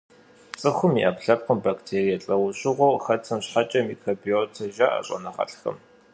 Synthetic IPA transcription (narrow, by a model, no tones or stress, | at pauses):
t͡sʼɨxʷʊmiʔɐpɬɐp̚qəmbaktʰeːrijɐɬʼɐwʊɕʼɪʁʷoːxɐt͡sʰɐmɕħat͡ʃʼɐmikroːbioːtʰɐʒaʔɐ̰ɕʼɐ̰nɐʁɐ̰ɬxɐ̰m